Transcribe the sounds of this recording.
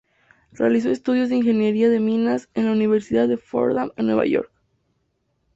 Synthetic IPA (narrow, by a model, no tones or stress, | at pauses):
realis̬o̞e̞st̪uð̞jo̞zðeinxe̞njeɾiaðe̞mĩnase̞nlauniβ̞e̞ɾsiðaððefo̰ɾðamenwe̞βa̰ʝo̞̰ɾk